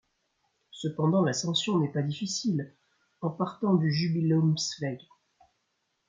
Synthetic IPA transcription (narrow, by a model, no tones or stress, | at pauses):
səpɑ̃d̪ɑ̃lasɑ̃sjɔ̃nɛpad̪ifisil | ɑ̃paʁt̪ɑ̃d̪yʒybileomsvɛɡ